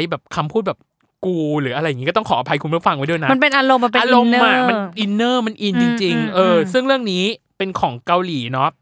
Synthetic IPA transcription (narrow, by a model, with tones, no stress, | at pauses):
jbɛː˨˩p̚kʰa˧mpʰuː˥˩t̪̚bɛː˨˩p̚ | kuː˧ɾɯː˩˦a˧ɾa˧jːa˨˩ŋi˦kːt̪ɔ˥˩kʰɔː˩˦ʔa˧pʰa˧jkʰu˧nmɯ˦˥˩fa˧ŋwa˦˥jdo˧˩jna˦ma˧npe˧nʔa˧ɾo˧mːa˧peː˧ɾo˧mː˥aː˥˩˥kma˧nʔi˧nːɤː˥˩ma˧nʔi˧nt͡ɕi˧ŋt͡ɕi˧ŋʔɤː˧sɯ˥˩ŋɾɯ˥˩əŋniː˦˥ | pe˧nkʰɔː˩˦ŋka˧wliː˩˦nɔ˦˥